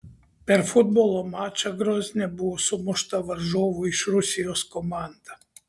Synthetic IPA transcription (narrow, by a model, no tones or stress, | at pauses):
peɾfud̪̚bolˠomat͡ɕaɡɾoznabuosumoʃt̪aʋaɾʒoʋuiʃɾusioskomand̪a